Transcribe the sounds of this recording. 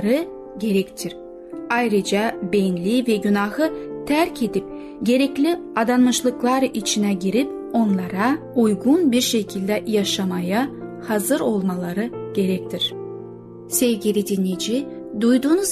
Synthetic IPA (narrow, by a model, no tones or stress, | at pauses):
ɾɯ | ɟe̞ɾɛct̪ʰiɾ | ajɾɯd͡ʒabenlʲivɛɟynahɯt̪ʰæɾcʰe̞d̪ip̚ | ɟe̞ɾɛclʲiad̪anmɯʃlˠɯklˠaɾit͡ʃʰinɛɟiɾip | o̞nlˠaɾaujɡunbiɾʃe̞cʰilʲd̪ɛjaʃamaja | hazɯɾo̞lˠmalˠaɾɯɟ̥e̞ɾɛc̚t̪ʰiɾ̥ | sevɟʲilʲid̪inid͡ʒid̪ujd̪uːnuz